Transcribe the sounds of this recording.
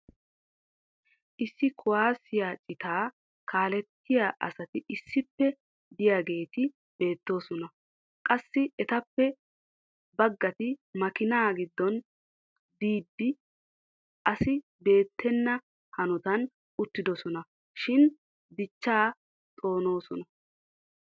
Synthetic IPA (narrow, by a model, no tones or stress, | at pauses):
ʔɪsːɪkʰʊwaːsɪjaːt͡ʃʼɪt̪aː | kʰaːlɛt̪ːɪjaːʔɐ̰sɐt̪ɪʔɪsːɪpːɛ | d̪ɪjaɡe̞ːt̪ɪ | b̥e̞ːt̪ːo̞ːsɔnɐ | kʼɐsːɪɛt̪ɐpːɛ | bɐɡːɐt̪ɪmɐkɪnaːɡɪd̪ːɔn | d̪iːd̪ːɪ | ʔɐsɪ | be̞ːt̪ʰːɛnːɐ | hɐnɔt̪ɐn | ʊt̪ːɪd̪ɔsɔnɐ | ʃɪn | d̪ɪt͡ʃːaː | t̪ʼo̞ːno̞ːsɔnɐ